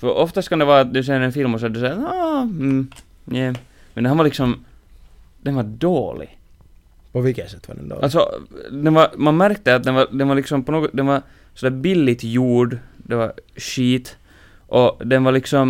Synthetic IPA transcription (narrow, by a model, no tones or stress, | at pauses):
fœɾʔɔft̪ast̪kand̪ɛvɑːɾat̪̚d̪ʉs̬ɛjəɾɛnfɪlmɔsɛd̪ɵsɛɑːm̩ | njɛmɛnd̪hanvaɾlɪksɔm | d̪̥ɛnvaɾdoːlɪ̰ɡ | pʰɔvɪlkːəsɛt̪ːʋa̰ɖɛ̰nd̪o̰ːalsɔ̰d̪ɛnvaɾmanmæɾk̚t̪əat̪̚d̪ɛnvaɾd̪ɛnvaɾlɪksɔmpɔnoːɡɔd̪ɛnvaɾ | sɔd̪æːɾbɪlːɪt̪juːɖd̪ɛvaɾʂiːt̪ | ʔɔd̪ɛnvaɾlɪksɔm